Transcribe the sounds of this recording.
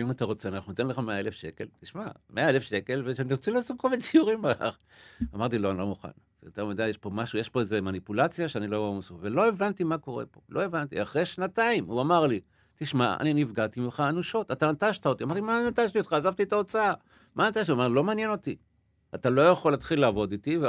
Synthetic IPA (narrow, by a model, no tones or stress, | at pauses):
imat̪aʁo̞t͡seanaχnunote̞nleχameaele̞fʃe̞ke̞̰ltiʃma̰meaelefʃe̞ke̞lveaniʁot͡silasukovet͡sijuʁimaa̰χ | amaʁt̪ilo̞anilo̞muχa̰n | jot̪eʁmid̪ajeʃpo̞maʃujeʃpo̞eze̞manipulat͡sjaʃeanilovamosuvelo̞evantimako̞ʁe̞̰po̞̰lo̞e̞vant̪ḭaχʁe̞jʃnataimuamaʁli | t̪iʃmaa̰ninivɡat̪imiχaːnuʃo̞t̪at̪anataʃt̪ao̞t̪iamaʁt̪imanat̪aʃtiot̪χaːzavt̪ietao̞t͡saa | manat̪aʃtiuamalo̞maːnjeno̞t̪i | atalo̞jaχolːat̪χilːaːvo̞d̪it̪ive